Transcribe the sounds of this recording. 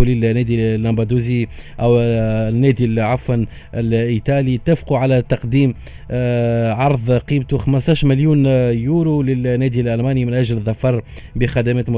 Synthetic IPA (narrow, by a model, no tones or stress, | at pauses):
lɪlnːɛːd̪ilːɑmbɑd̪uːziʔæwnːɛːd̪ilʕafən | ɪlʔit̪ɑːlit̪æfquʕalɛt̪ɑqd̪iːm | ʕɑɾˤðˤqiːbt̪uxaməst̪ɑːʃmɪljuːnjuːɾulɪlnːɛːd̪ilʔælmɑːnimɪnʔæʒlðːɑfɑɾˤbəxæd̪æmæːt̪m